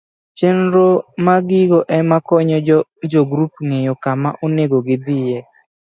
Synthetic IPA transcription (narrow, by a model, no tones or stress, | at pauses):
t͡ʃenɾomaɡɪɡɔʔɛmakɔɲɔd͡ʒɔɡɾup̚ŋejɔkama̰ʔoneɡoɡɪd̪ɪjɛ